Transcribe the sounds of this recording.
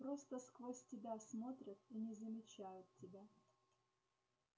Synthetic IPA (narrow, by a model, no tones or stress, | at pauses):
pɾo̞st̪əskvosʲtʲɪbʲasmo̞t̪ɾʲət̪inʲɪzəmʲɪt͡ɕæjʊt̪̚tʲɪbʲa